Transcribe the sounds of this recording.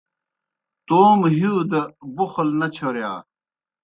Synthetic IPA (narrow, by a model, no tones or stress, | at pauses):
t̪oːmɦid̪ɐbuxlnɐt͡ɕʰoɾjaː